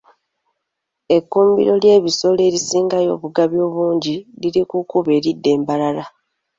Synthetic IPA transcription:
e̞kːuːmbḭɾo̞lje̞ːβiso̞le̞ːɾisiːŋɡajo̞̰ːβuɡaβjo̞ːβuːɲɟiliɾikukuβe̞ːɾidːe̞ːmbalala

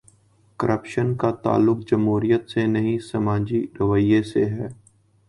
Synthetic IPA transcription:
kəɾʔəpʃənkat̪a̰ːlːʊk̚d͡ʒəmɦuːɾijət̪senəɦĩsəmãːd͡ʒiɾəʋəijeseɦɛː

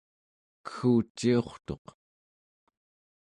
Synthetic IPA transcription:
kə̥xuːt͡ʃːio̞χt̪oq

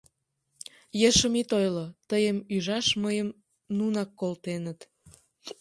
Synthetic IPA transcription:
jeʃəmit̪ojlot̪əjəmyʒɑʃməjəm | nunɑkːolt̪enət̪

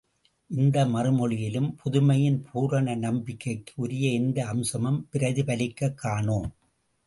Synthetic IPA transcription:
ʔɪnd̪ɐmɐrɯmɔɭɪjɪlɯmpʰʊðʊmɐjɪnpʰuːɾɐɳɐnɐmbɪkːɐɪkːɯ̥ʊɾɪjɐɪnd̪ɐːmsɐmɐmpɪɾɐðɪpɐlɪkːɐkːaːɳoːm

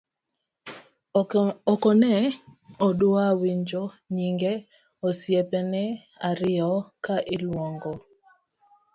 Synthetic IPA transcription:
ɔkɔnɛɔdʊawiɲd͡ʒɔ | ɲiŋɡɛ | ɔsjepɛnɛ | aɾɪɔkaʔɪlwɔŋɡɔ

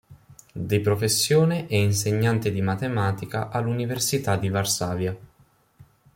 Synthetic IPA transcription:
d̪ipɾofesːjoːneʔɛinseɲːant̪ed̪imat̪emaːt̪ikaʔalːuniversit̪ad̪ivarsaːvja

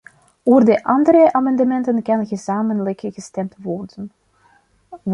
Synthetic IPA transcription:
doːrdəʔɑndəɾəʔamɑndəmɛntənkɑnɣəzaːmənləkɣəstɛmtʋɔrdən

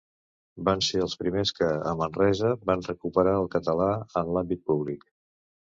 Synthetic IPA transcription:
banseəlˠspɾimeskəəmənrɛzəbanrəkupəɾaəlˠkət̪əlaənlambit̪̚puβlik

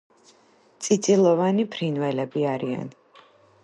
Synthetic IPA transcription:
t̪sʼit̪sʼilˠɔvanipʰɾinvɛlɛbiaɾia̰n

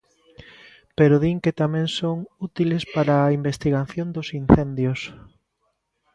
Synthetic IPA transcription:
peɾoðiŋket̪amẽŋsoŋut̪ilespaɾaːimbest̪iɣaθjond̪osinθend̪jos

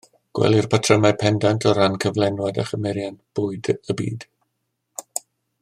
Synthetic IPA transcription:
ɡ̥wɛ̰lˠirpʰatʰrəmapʰɛndantʰɔɾankʰəvlˠɛnwada̰χəmɛɾjanb̥ʊːɨdəbḭːd̥

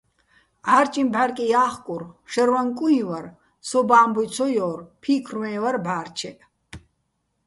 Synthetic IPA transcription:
ʔaːɾt͡ʃʼimbaɾkʼijaːχkʼuɾʃɛɾwaŋkʼuĩwaɾ | sɔbaːmbujt͡sʰɔjɔːrpʰiːkʰrmɛːvaɾbaːrt͡ʃʰɛʔ

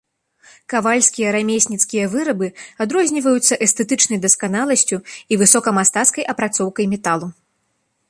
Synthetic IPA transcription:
kavalʲsʲkʲijɐɾamʲesʲnʲit̪skʲijɐvɨɾɐbɨad̪ɾɔzʲnʲivɐjut̪sːɐʔɛst̪ɛt̪ɨt͡ʂnɐjd̪ɐskanalˠɐsʲt͡sʲuivɨsɔkɐmast̪at̪skɐjʔɐpɾat̪sɔwkɐjmʲɛt̪alˠu

